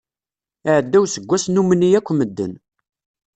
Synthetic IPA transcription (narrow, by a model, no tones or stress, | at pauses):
əʕəd̪ːæwsəɡʷːæsnumənːijækʷːməd̪ːə̰n